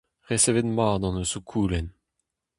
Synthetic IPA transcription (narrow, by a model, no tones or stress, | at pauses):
ʁesevetmaːd̪ɑ̃nosukʰuːlɛn